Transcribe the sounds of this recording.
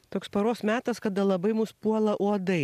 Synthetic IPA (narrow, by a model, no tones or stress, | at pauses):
t̪oːkspɐɾoːsmʲæːt̪ɐskɐd̪ɐlˠɐbɐɪmʊspuɔlˠɐʔuɔd̪ɐɪ